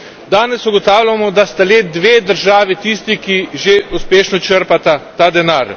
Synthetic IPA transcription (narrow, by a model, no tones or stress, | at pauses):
d̪aːnɛsuɡɔt̪aːwlʲamɔd̪ast̪aleːd̪ʋeːd̪əɾʒaːʋit̪ist̪ikiʒeuspeːʃnɔt͡ʃəɾpat̪at̪aːd̪ɛnaːɾ